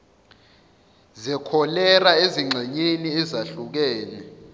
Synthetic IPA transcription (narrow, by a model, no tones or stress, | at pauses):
zɛkʰɔlɛraeziŋ͡ǁʱɛɲeniɛzaɬuk̬ɛːnɛ